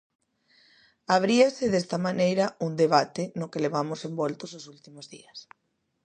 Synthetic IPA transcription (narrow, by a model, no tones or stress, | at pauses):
aβ̞ɾiasɪðest̪ɐmanejɾɐuŋd̪eβ̞at̪ɪnʊkeleβ̞amʊsembɔlt̪ʊsosult̪imʊzðḭɐs